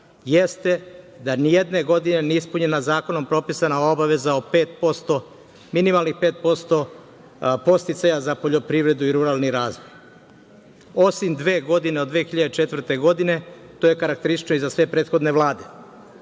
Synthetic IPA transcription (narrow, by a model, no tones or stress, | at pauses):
jest̪e̞ | d̪anijed̪ne̞ɡo̞d̪ine̞niispuɲenazaːko̞no̞mpɾo̞pisanao̞baʋe̞zaopeːt̪̚po̞st̪o̞ | minimalˠnixpe̞ːt̪̚po̞st̪o̞ | po̞st̪it̪sajazapo̞ʎo̞pɾiʋɾe̞d̪uiɾuɾalniɾaːzʋoj | o̞simd̪ʋe̞ːɡo̞d̪ine̞od̪ʋexiʎad̪et͡ʃe̞t̪vr̩t̪e̞ɡo̞d̪ine̞t̪o̞je̞kaɾak̚t̪eɾisi̥t͡ʃnoizasʋe̞pɾe̞ːt̪xo̞d̪ne̞ʋlˠaːd̪e̞